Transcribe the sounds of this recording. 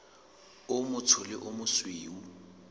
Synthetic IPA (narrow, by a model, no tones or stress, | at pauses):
ʊmʊt͡sʰʊlɪʔʊmʊsweːu